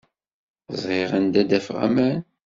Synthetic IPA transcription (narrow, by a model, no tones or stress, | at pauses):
zˤʁɪʁənd̪æd̪æfʁæ̰mæn